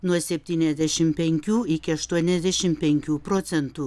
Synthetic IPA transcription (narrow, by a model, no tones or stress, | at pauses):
nuɔsʲɛpʲt̪ʲiːnʲɛzʲd̪ʲæʃʲɪmpʲɛŋʲkʲuːɪkʲɪɐʃt̪uɔnʲɛzʲd̪ʲɛʃʲɪmpʲɛŋʲkʲuːpɾoːt̪sʲɛnt̪uː